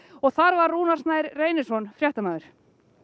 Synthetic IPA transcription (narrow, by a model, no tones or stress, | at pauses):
ɔɣθaɾvaɾːuːnḁsnaːjɾreːjnɪsɔnfɾjaht̪amaːðʏɾ̥